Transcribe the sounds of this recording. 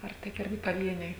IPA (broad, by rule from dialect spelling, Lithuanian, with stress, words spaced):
ɐr ˈtʲɪk ˈɪrʲɡʲɪ pɐˈʋʲiɛnʲɛɪ